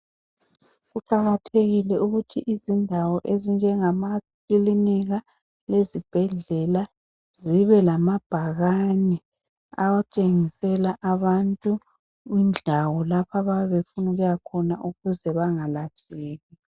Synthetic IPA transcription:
ɣuǃaɣatʰeɣilɛuɣutʰiʔizindʱawɔʔezind͡ʒʱɛŋamakiliniɣa | lezib̥ʱɛɮɛla | ziβɛlamab̥ʱaɣanɛ | a̰wat͡ʃʼeŋisɛlaʔaβantʼu | ind͡ɮʱawɔlapʰaβaɛβefunuɣujakʰɔnaʔuɣuzɛβaŋalat͡ʃʼɛːɣi

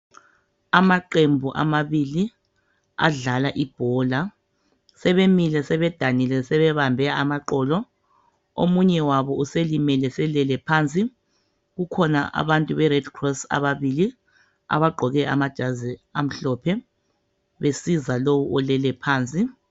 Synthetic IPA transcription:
amaǃembʱuʔa̰maβili | a̰ɮalaʔib̥ʱɔːla | sɛβemilɛsɛβɛd̥ʱanilɛsɛβɛβambʱɛamaǃɔːlɔ | o̰muɲɛwaβɔuselimɛlɛsɛlɛlɛpʰant͡sʼi | ɣukʰɔna̰ʔa̰βantʼuβɛrɛd̥kʰrɔsa̰βaβili | a̰βaɡ͡ǃʱɔɣɛʔa̰mad̥ʒ̥ʱaziam̩ɬɔpʰɛ | βesizalowuʔɔlɛlɛpʰaːnt͡sʼi

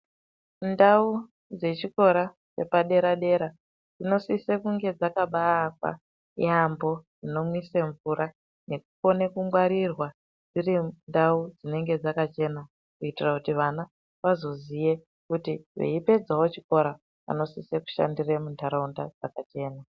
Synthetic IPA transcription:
ndau | d͡ze̞t͡ʃiko̞ɾa | t͡ʃe̞paɗe̞ɾaɗe̞ɾa | d͡zino̞sisekuŋɡe̞d͡zakaɓaːkwa̰ | ḭambo̞d͡zino̞mwiseɱvuɾa | ne̞kufo̞nekuŋɡwaɾirwa | d͡zirindaud͡zine̞ŋɡe̞d͡zakat͡ʃe̞na | kuitirakutiʋana | ʋazo̞zije̞ | kutiʋḛipe̞d͡zawo̞t͡ʃiko̞ɾa | a̰no̞siseku̥ʃa̰ndiremuntʰaɾaundad͡zakat͡ʃe̞ːna

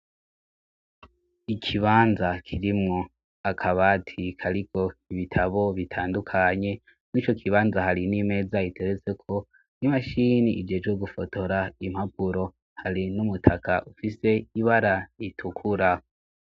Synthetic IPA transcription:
ikʰiβaːnzakʰiɾimŋo̞ | akʰaβatʰikʰaɾikʰo̞iβitʰaβo̞βitʰaːndukʰaɲe̞ | mwiːt͡ʃo̞kʰiβaːnzaɦaɾinime̞zaitʰeɾet͡se̞kʰo̞ | nimaʃiniʔid͡ʒeːd͡ʒɡeɡufo̞to̞ɾaim̥hap̚uɾo̞ | haɾinumutʰakʰaʔufise̞iβaɾaitʰukʰuɾa

